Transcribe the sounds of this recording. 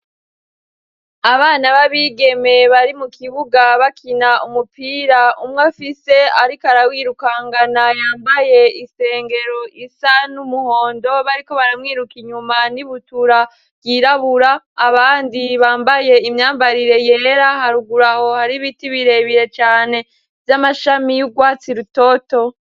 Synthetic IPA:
aβaːnaβaβiːɡeme̞βaɾimukʰiβuɡaβakʰinaumupiɾaumŋafise̞aɾikaɾawiːɾukaŋɡanajaːmbaje̞ise̞ːŋɡe̞ɾo̞ʔisanumuho̞ːndo̞βaɾiko̞βaɾamŋiːɾukiɲumaniβutuɾa | ɡiɾaβuɾaː | βaːndiβaːmbaje̞imɲaːmbaɾiɾe̞je̞ːɾaɦaɾuɡuɾaho̞haɾiβitiβiɾe̞βiɾe̞t͡ʃaːne̞ | vjamaʃamijuɡwaːt͡siɾuto̞to̞

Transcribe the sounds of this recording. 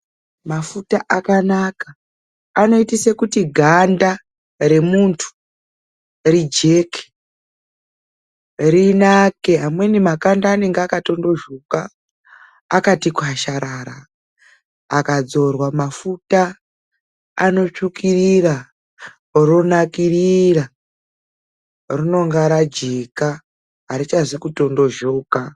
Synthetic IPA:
mafutaʔakanakaː | no̞itisekutiɡʱanda | re̞muntʰu̥ | rid͡ʒe̞ke̥ | rinake̞ɦamwe̞nimakandaːne̞ŋɡeakato̞ndo̞ʒukaː | katikuaʃaɾaɾa | kad͡zo̞rwamafuta | no̞t͡ʂukirira | ro̞nakirira | rino̞ŋɡaɾad͡ʒeka | aɾit͡ʃazikuto̞ndo̞ʒo̞ːka

